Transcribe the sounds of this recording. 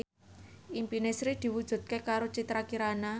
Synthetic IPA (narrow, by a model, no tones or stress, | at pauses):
ʔimpinesɾid̪̥i̤wud̥ʒ̥ṳt̪̚kekaɾot͡ʃit̪ɾakiɾana